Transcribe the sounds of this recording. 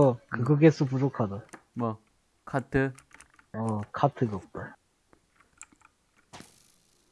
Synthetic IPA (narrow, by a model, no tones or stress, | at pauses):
ʌkɯɡʌɡes͈up̬ud͡ʑokʰadomʌ | kʰatʰɯ | ʌkʰatʰɯɡʌt͈o